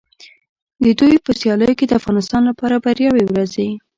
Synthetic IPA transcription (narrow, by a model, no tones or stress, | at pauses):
d̪əd̪ujpəsjɑləjoked̪əafɣɑnɪst̪ɑnlapɑɾabaɾjɑwewɾaze